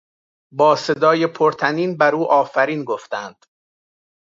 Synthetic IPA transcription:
bɒːse̞d̪ɒːjepʰoɾt̪ʰæniːnbæɾuːʔɒːfæɾiːnɡoft̪ænd̪̥

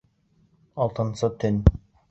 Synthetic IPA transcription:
ɑlˠt̪ɤ̆nsɤt̪ʰɵn

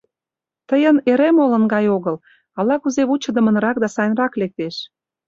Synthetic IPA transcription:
t̪əjəneɾemolə̆nɡɑjoɣɤl | ɑlɑkuzeβut͡ɕə̆d̪ə̆mə̆nɾɑk̚d̪ɑsɑjnrɑklek̚t̪eʃ

